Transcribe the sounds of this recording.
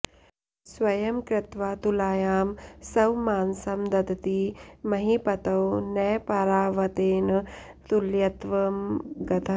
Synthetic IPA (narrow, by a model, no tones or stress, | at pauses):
sʋɐjɐmkɾɪt̪ʋaːt̪ulaːjaːmsɐwmaːnsɐmd̪ɐd̪ɐt̪iːmɐɦipɐt̪ɐwnɐjpɐɾaːʋɐt̪eːnɐ | t̪uljɐt̪ʋɐmɡɐt̪ʰɐ